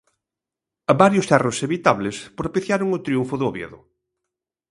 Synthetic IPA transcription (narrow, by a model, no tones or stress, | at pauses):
ɐβaɾjʊsɛroseβit̪aβlespɾopiθjaɾoŋʊt̪ɾiuɱfʊðoβjḛðʊ̰